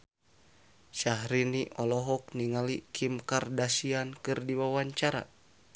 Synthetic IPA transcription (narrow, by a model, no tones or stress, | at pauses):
ʃaɦɾiniʔɔlɔɦɔk̚niŋalikʰimkardasiankɨrdiwawaɲt͡ʃaɾa̰